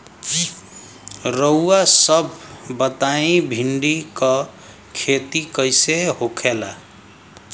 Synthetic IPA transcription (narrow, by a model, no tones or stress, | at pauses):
ɾəwasəbʱːət̪aĩbʱiɳɖikə | kʰet̪ikəjseɦokʰela